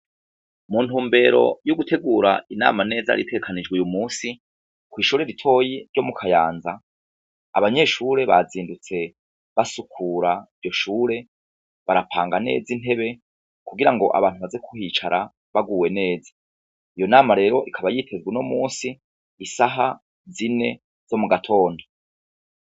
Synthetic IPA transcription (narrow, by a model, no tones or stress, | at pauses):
muːntuːmbe̞ɾo̞̰juɡutʰe̞ɡuːɾa̰ina̰ːmane̞ːza̰ɾitʰeɡekʰanid͡ʒɡwujumuːsi | kwiːʃuːɾeɾitʰo̞ːjiɾɟo̞mukʰajaːnza̰ː | βaɲe̞ʃuːɾe̞βa̰ziːndut͡se̞ | βasukʰuɾaivjo̞ʃuːɾe̞ | βaɾapʰaːŋɡane̞̰ːzine̞βe̞ | kuɡiɾaŋɡo̞ʔa̰βaːn̥tuβazekʰuhiːt͡ʃaɾʔa | βaɡuːwe̞ne̞ːzḁ | ijonaːmaɾe̞ːɾo̞ʔikʰaβajitʰe̞zwino̞muːnsiː | saɦa | zine̞ | z̥o̞muɡatʰo̞ːndo